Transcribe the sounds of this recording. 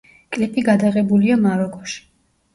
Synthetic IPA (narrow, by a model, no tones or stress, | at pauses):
kʼlipʼiɡad̪aʁɛbuliamaɾɔkʼɔʃi̥